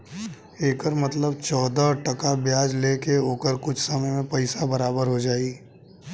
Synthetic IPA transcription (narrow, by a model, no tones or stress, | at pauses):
eːkəɾmɐt̪ləb̚t͡ʃɔːd̪aʈɐkabjaːd͡ʒleːkeoːkəɾkʊt͡ʃʰsɐməjmẽpɐɪsabɐɾaːbəɾɦod͡ʒaːiː